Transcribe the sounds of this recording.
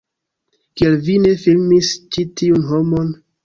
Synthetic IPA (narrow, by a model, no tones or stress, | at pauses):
kielvine̞filmist͡ʃitiunɦomo̞n